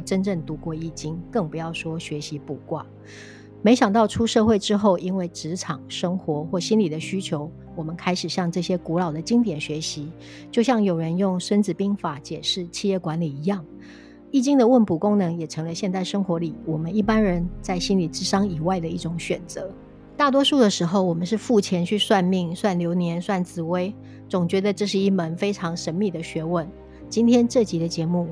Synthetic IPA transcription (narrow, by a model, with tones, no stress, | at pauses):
ʈ͡ʂə˥nʈ͡ʂə˥˩ŋt̪u˧˥kwɔ˥˧i˥˩t͡ɕi˥ŋkɤ˥˩ŋpu˧˥jɑ˥˩ʊʂwɔ˥ɕɥɛ˧˥ɕi˧˦pu˨˩kwa̰˥˩ | me˧˥ɪɕjɑ˨˩ŋt̪ɑ˥˩ʊʈ͡ʂʰu˥ʂɤ˥˧xwe˥˩ɪʈ͡ʂɻ̩˥xo˥˩ʊʔi˥nwe˥˩ɪʈ͡ʂɻ̩˧˥ʈ͡ʂʰɑ˨˩ŋʂɤ˥ŋxwɔ˧˦xwɔ˥˩ɕi˥nli˨˩d̪ə˦ɕy˥t͡ɕʰjo˧˥ʊ | wɔ˨˩mə˦nkʰa˥ɪʂɻ̩˨˩ɕjɑ˥˧ŋʈ͡ʂɤ˥˩ɕjɛ˥ku˧˥lɑ˨˩ʊd̪ə˩t͡ɕi˥ŋt̪jɛ˨˩nɕɥɛ˧˥ɕi˧˦ | t͡ɕjo˥˧ʊɕjɑ˥˩ŋjo˨˩ʊɻə˧˥njʊ˥˩ŋʂə˥nt͡sɹ̩˨˩pi˥ŋfa˨˩t͡ɕjɛ˨˩ʂɻ̩˥˩t͡ɕʰi˥˧jɛ˥˩kwa˧˥nli˨˩i˧˥jɑ˥˩ŋ | i˥˩t͡ɕi˥ŋd̪ə˨wə˥˩npu˨˩kʊ˥ŋnɤ˧˥ŋjɛ˨˩ʈ͡ʂʰɤ˧˥ŋlə˧ɕjɛ˥˧nt̪a˥˩ɪʂɤ˥ŋxwɔ˧˥li˨˩˦wɔ˨˩mə˦ni˥˩pa˥nɻə˧˦nt͡sa˥˩ɪɕi˥nli˨˩ʈ͡ʂɻ̩˥ʂɑ˥ŋi˨˩wa˥˩ɪd̪ə˩i˥˩ʈ͡ʂʊ˨˩ŋɕɥɛ˨˩nt͡sɤ˧˦ | t̪a˥˩t̪wɔ˥ʂu˥˩d̪ə˩ʂɻ̩˧˥xo˥˩ʊwɔ˨˩mə˦nʂ̬ɻ̩˥˧fu˥˩t͡ɕʰjɛ˧˥nt͡ɕʰy˥˧swa˥˧nmi˥˩ŋswa˥˩nljo˧˥ʊnjɛ˧˥nswa˥˩nt͡sɹ̩˨˥we˥ɪ | t͡sʊ˨˩ŋt͡ɕɥɛ˧˥d̪ə˨˧ʈ͡ʂɤ˥˧ʂɻ̩˥˩i˥˩mə˧˦˥nfe˥ɪʈ͡ʂʰɑ˧˥ŋʂə˧˥nmi˥˩d̪ə˩ɕɥɛ˧˥wə˨˩n | t͡ɕi˥nt̪ʰjɛ˥nʈ͡ʂɤ˥˩t͡ɕi˧˥d̪ə˧t͡ɕjɛ˧˥mu˥˩